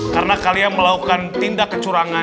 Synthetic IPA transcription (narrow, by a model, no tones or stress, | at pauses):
kaɾənakalianməlakukant̪indakːət͡ʃuɾaŋa